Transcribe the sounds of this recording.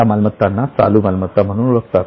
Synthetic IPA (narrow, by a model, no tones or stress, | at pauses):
amalmət̪ːanːat͡sa̰luːmalmət̪ːam̤əɽ̃uːnuɭəkt̪at̪